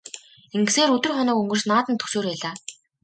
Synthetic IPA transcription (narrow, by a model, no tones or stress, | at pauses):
eŋɡ̆seːɾɵt̪ɵ̆rχɔnɔːkɵŋɡɵ̆rsnaːt̪ə̆nt̪ʰɵ̥soːrpæːɮaː